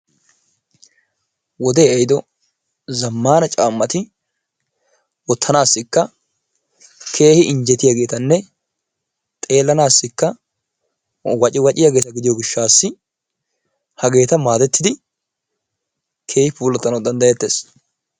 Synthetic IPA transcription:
wɔd̪eːɛjd̪ɔ | zɐmːaːnɐt͡ʃʼaːmːɐt̪ɪ | wɔt̪ʰːɐnaːsːɪkːɐ | kʰe̞ːhɪʔɪɲd͡ʒɛt̪ɪjaɡe̞ːt̪ɐnːɛ | t̪ʼe̞ːlːɐnaːsːɪkːɐ | wɐt͡ʃʼɪwɐt͡ʃʼɪjaɡe̞ːt̪ɐɡɪd̪ɪjɔɡɪʃːaːsːɪ | hɐɡe̞ːt̪ɐmaːd̪ɛt̪ːɪd̪ɪ | kʰe̞ːhɪpuːlːɐt̪ːɐnɐwd̪ɐnd̪ɐjɛt̪ːe̞ːs

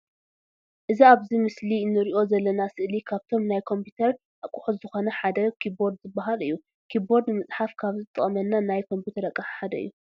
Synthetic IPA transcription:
ʔɨziaβzimɨslinːɨɾiʔo̞zɐlːɐnasɨʔlikʰaβt̪ʰo̞mnajkʰo̞mpʰut̪ʰɐɾ | ʔakʼʊħut̪zɨxo̞nɐħad̪ɐkʰibo̞ɾd̪zɨbːaɦalɨ̰jːu | kʰibo̞ɾd̪nɨmɨt͡sʼħafkʰaβzɨt̪ʼɐ̰χʼɐmɐnːanajkʰo̞mput̪ʰɐɾɐkʼːɐħħad̪ɐɨ̰jːu

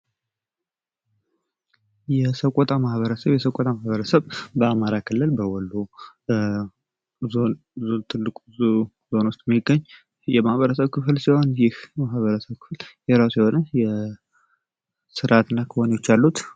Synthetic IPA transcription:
jɛsəkʼɔt̪ʼamahβəɾəsəβjɛsəkʼɔt̪ʼamahβəɾəsəβbəamaɾakʰɨlːɨlbəwɔlːu | on | t̪ʰɨlːɨkʼu | zo̞nwuʊst̪ʼɛmiɡːəɲː | jɛmahβəɾəs̬əβkʰɨflsiho̞njɪhmahβəɾəsəβkʰɨ̥fljɛɾasiho̞nəjɛ | sɨɾʔat̪ɨnːakʰɨhoneot͡ʃːalːut̪

